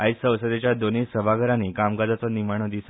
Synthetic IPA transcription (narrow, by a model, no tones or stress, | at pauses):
aisə̃wsəd̪et͡ɕjad̪onisəbʱaɡəɾaniːkamɡad͡z̪at͡sɔnimaɳ̃od̪is